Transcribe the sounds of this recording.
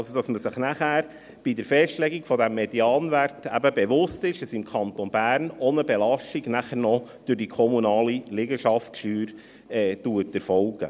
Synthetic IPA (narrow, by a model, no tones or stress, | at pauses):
ɑlsod̥ɑsməsɪχnæχæːɾ | b̥idəɾfɛʃtlɛɡiɡfɔdɛmːediɑːnʋærtæ̰bəbeʋʊstɪʃəsɪmkʰɑnt̪onbæːɾnɔnəbelɑʃtiɡnæχəɾnɔd̪̥ʉɾdikʰɔmunɑːlilɪɡəʃɑftʃyːɾ | ɛːtuətɛɾfɔlɡ̥ə̰